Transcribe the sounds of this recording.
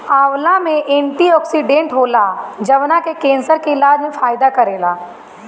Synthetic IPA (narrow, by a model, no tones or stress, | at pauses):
aːʋlamẽʔẽːɳʈiɔːksiɖẽːɳʈɦoːlad͡ʒɐʋnakekẽːnsəɾkeɪlaːd͡ʒmẽfaːjɪd̪akɐɾeːlaː